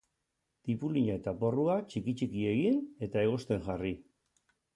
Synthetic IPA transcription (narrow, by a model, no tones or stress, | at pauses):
t̪ipuliɲae̞t̪apo̞ruat͡ʃikit͡ʃikie̞ɣine̞t̪ae̞ɣ̞o̞st̪e̞ŋʝari